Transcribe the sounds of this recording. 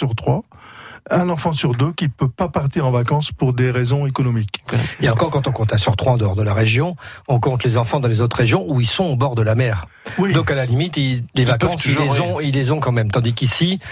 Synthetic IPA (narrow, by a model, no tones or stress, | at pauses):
yʁt̪χwa | ɛ̃nɑ̃fɑ̃syʁd̪økʲipøpapaʁt̪iʁɑ̃vakɑ̃spuʁd̪eʁezɔ̃ekɔnɔmikeɑ̃kɔʁkɑ̃t̪ɔ̃kɔ̃t̪ɛ̃syʁt̪χwaɑ̃d̪əɔʁd̪əlaʁeʒjɔ̃ɔ̃kɔ̃t̪lezɑ̃fɑ̃d̪ɑ̃lezot̪χʁeʒjɔ̃uilsɔ̃obɔʁd̪əlamɛːʁ | wid̪ɔ̃kalalimit̪ilevakɑ̃silezɔ̃ilːezɔ̃kɑ̃mɛmt̪ɑ̃d̪ikisi